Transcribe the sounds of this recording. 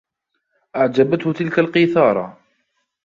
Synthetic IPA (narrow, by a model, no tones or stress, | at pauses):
ʔaʕd͡ʒabat̪hʊt̪ɪlkalqiθɑːɾˤɑ̰